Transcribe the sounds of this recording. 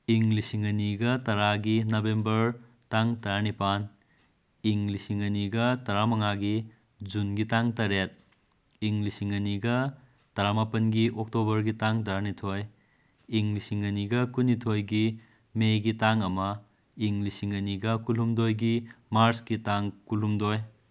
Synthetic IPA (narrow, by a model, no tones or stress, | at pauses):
iŋlisiŋɐniɡɐtɐɾaɡinɐbembɐɾ | taŋtɐɾanipan | iŋlisiŋɐniɡɐtɐɾamɐŋaɡi | d͡ʒunɡitaŋtɐɾet̚ | iŋlisiŋɐniɡɐ | tɐɾamapɐnɡiʔok̚tobɐɾɡitaŋt̬ɐɾanitʰoj | iŋlisiŋɐniɡɐkunːitʰojɡi | meɡitaŋɐmɐ | iŋlisiŋɐniɡɐkulumdojɡimaɾsɡitaŋkulumdoj